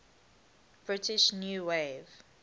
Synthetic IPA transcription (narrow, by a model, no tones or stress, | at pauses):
b̥ɹɪtɪʃnjuːwev